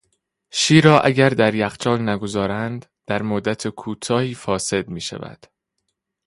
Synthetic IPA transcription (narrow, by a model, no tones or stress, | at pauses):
ʃiːɾɒːʔæɟæɾd̪æɾjæχt͡ʃʰɒːlnæɡozɒːɾænd̪d̪̥æɾmod̪ːæt̪ʰekʰuːt̪ʰɒːhiːfɒːse̞d̪̚miːʃæ̰væ̰d̪̥